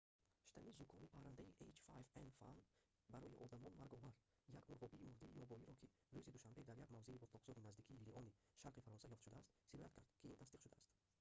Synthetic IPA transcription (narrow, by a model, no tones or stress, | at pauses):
ʃt̪ʰanizukʰɔnipʰahɾand̪aiʔejt͡ʃfa̰jvenfa̰n | baɾɔjiʔɔd̪amɔnmaɾɡɔvaɾ | jaɡmuɾʁɔbiːmuɾd̪iːjɔbɔiɾɔkʰi | ɾuzid̪uʃambe̞d̪aɾjaɡmavze̞ibɔt̪lˠɔqz̥ɔɾinazd̪ikʰiːliʔɔni | ʃaɾqifaɾɔnsajɔft̪ʃud̪aːst̪silɔjat̪̚kʰaɾd̪kʰiint̪ʰasd̪iqʃud̪a̰ːst̪